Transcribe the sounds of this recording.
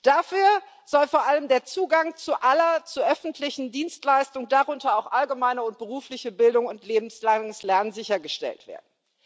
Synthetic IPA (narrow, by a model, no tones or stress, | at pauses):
d̥afyːɐ | z̥ɔlfoːɐʔaləmdeːɐt͡suːɡaŋt͡suʔalɐt͡suʔœfn̩tʰlɪçn̩diːnstlaɪstʊŋdaʁʊntɐaʊxʔalɡəmaɪnəʊnt̚b̥əʁuːflɪçəbɪldʊŋʊntʰleːbm̩slaŋəslɛɐnnzɪçɐɡəʃtɛ̰ltv̥ḛːɐdn̩